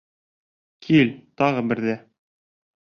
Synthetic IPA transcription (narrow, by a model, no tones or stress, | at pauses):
kʰilt̪ɑʁɤbɘ̆ɾðæ